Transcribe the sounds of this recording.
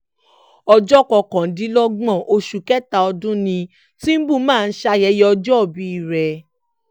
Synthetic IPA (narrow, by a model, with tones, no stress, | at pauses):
ɔ˧d͡ʒɔ˦˨kɔ˧˨kã˨˦dĩ˨˦lɔ˦ɡ͡bɔ̃˦˨ʔo˧ʃu˨kɛ˦ta˧ɔ˧dũ˦nĩ˧ | ti˦m̩˦bũ˦˨˦mãː˦˨˧n̩˦ʃa˧jɛ˨˦jɛ˧ɔ˧d͡ʒɔ˦˨bi˨˦i˦˨ɾɛ˨